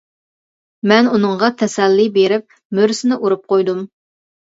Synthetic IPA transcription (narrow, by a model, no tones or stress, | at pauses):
mɛnunɨŋʁɑt̪ʰɛsɛlːibeɾɪp̚ | møɾsɪnɪʔuɾup̚qojd̪um